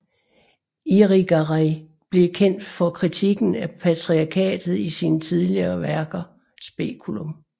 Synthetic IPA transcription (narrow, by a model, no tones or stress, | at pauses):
iʁiɡ̥ʁaɪ | b̥le̝kʰen̰d̥fɒ̽kʰʁit͡sʰiɡ̥n̩æpʰæt͡sʰʁiɑkʰɛ̰ːd̥ð̩ˠisiːnət͡sʰið̞ˠliɐːʋæɐɡ̥ɐ | sb̥e̝̰ːkʰulom